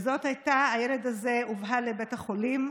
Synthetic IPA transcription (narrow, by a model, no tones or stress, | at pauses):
zo̞thajtaːjele̞daze̞uvɦalebetaχolim